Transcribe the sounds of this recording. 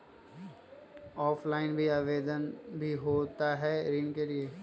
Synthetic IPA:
ɔːpʰlaːɪnbʱiaːʋeːd̪ənbʱiɦoːt̪aɦɛɾiːnkelieː

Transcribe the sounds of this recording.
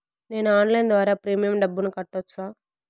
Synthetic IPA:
ne̞ːnuaːnlɐjnd̪ʋaːɾaːpɾiːmijɐmɖɐbːunukɐʈːot͡ʃːaː

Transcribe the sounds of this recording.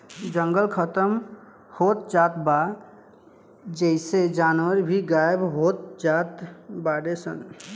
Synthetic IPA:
d͡ʒəŋɡəlkʰət̪əm | hot̪̚d͡ʒat̪ba | d͡ʒəɪsed͡ʒanʋəɾbʱiɡajbɦot̪̚d͡ʒat̪baɽesən

